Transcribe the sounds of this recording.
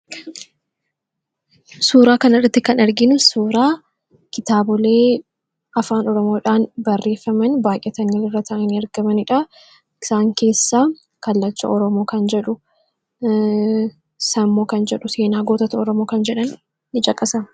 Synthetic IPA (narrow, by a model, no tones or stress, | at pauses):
suːɾaːkɐnɐrɐt̪ːɪkɐnɐɾɡɪnʊsuːɾaː | kɪt̪aːbɔle̞ː | ɐfaːnɔɾɔmo̞ːᶑaːnbɐrːe̞ːfːɐmɐnbaːʔʔɛt̪ɐŋɡɐlɪrːɐt̪ɐːʔɐniɐɾɡ̥ɐmɐnɪᶑa | ɪsaːŋke̞ːsːaː | kɐlːɐt͡ʃːɐ̰ʔɔɾɔmo̞ːkɐnd͡ʒɛᶑʊ | sɐmːoːkɐnd͡ʒɛᶑʊse̞ːnaːɡoːt̪ɐt̪ɐɔɾɔmo̞ːkɐnd͡ʒɛᶑɐnː | ɪt͡ʃʼɐkʼɐsɐ